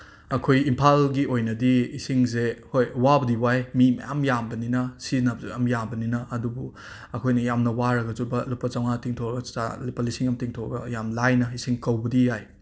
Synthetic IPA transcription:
ɐkʰojimpʰalɡiojnɐdiisiŋzehojwabɐdiwajmimɐ̰ja̰mjambɐninɐsinabzuɐmjambɐninɐʔɐdubu | ɐkʰojnɐjamnɐwaɾɐɡɐzubɐlupːɐt͡ʃawŋatiŋtʰowɾɐɡɐa̰lipːɐlisiŋɐmtiŋtʰoɾɐɡɐjamlajnɐisiŋkɐwbɐdijaj

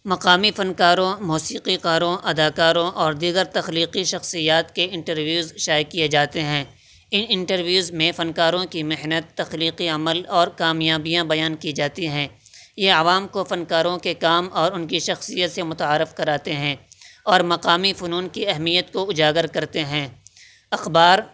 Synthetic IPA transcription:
mɐqaːmifɐnkaːɾõmuːsiːqiqaːɾõʔɐd̪aːkaːɾõʔɔːɾd̪iːɡəɾt̪ɐxliːqiʃɐxsijaːt̪keɪ̃ɳʈəɾʋjuːzʃaːjkijed͡ʒaːt̪eɦɛ̃ː | ɪnɪ̃ɳʈəɾʋjuːzmẽfɐnkaːɾõkimɪɦnət̪ːɐxliːqiɐməlɔːɾkaːmjaːbijãbɐjaːnkid͡ʒaːt̪iɦɛ̃ː | jeɐʋaːmkofɐnkaːɾõkekaːmɔːɾʊnkiʃɐxsijət̪semʊt̪aːɾɪfkɐɾaːt̪eɦɛ̃ːɔːɾmɐqaːmifʊnuːnkiɛɦmijət̪koʊd͡ʒaːɡəɾkɐɾt̪eɦɛ̃ː | ɐxbaːɾ

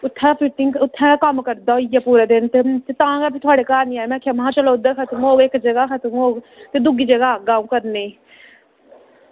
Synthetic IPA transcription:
ʊt̪ʰːɛ̃ːpit̪iŋʊt̪ʰːɛ̃ːkəmkəɾd̪aoɪjapuːɾaːd̪ent̪et̪et̪ãːɡabʰʱit̪ʰʊaːɽekaːɾnĩːaːemɛ̃ːkʰjamɦãːt͡ʃəloʊd̪əɾkʰət̪moːɡekd͡ʒəɡakʰət̪mũoːɡ | t̪ed̪ʊɡiːd͡ʒəɡaɡaːũːkəɾneː

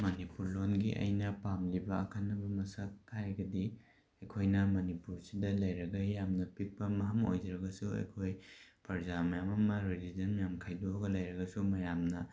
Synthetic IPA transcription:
mɐnipuɾlonɡiʔɐ̰jnɐpamlibɐːkʰanːɐbɐmɐsɐk̚tʰajɡɐdi | ɐjkʰojnɐmɐnipuɾsidɐlɐjɾɐɡɐjamnɐpik̚pɐmɐɦɐmo̰jd͡ʒɐɾɐɡɐsuɐ̰jkʰojpɐɾzamɐjamɐmɐɾilid͡ʒɐnmɐjamkʰajdoɡɐlɐjɾɐɡɐsumɐjamnɐ

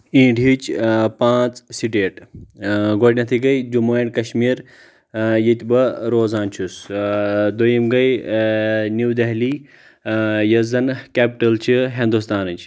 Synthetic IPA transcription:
ĩːɖit͡ʃpãːt͡ssiɖeːʈ | ɡoːɽʲnɐt̪ʰiɡɐjd͡ʒumoeɖkɐʃmiːɾ | jit̪ʲbɐɾoːzaːnt͡ʃʰus | d̪ojimɡɐj | nuwd̪ɐɦliː | jɐzɐnkʲeːpʈɐlt͡ʃʰiɦĩnd̪ust̪aːnɨt͡ʃ

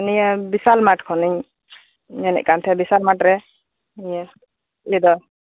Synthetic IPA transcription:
niɲabisalmaʈkʰɔniɲ | ɲɛnɛ̰ʔ̚kant̪ʰɛbisalmaʈɾɛ | niɲa | id̪ɔ

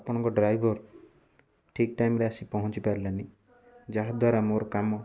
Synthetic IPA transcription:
apɔɽ̃ɔ̃ŋkɔɖɾajbʱɔɾ | ʈʰik̚ʈajmɾeasipɔɦɔ̃nt͡ʃipaɾilani | d͡ʒaɦad̪waɾamoɾɔkamɔ

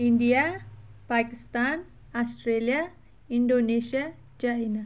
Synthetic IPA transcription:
iɳɖijapaːkist̪aːn | asʈreːlijɐ | iɳɖoːneːʂijɐ | t͡ɕajnɐ

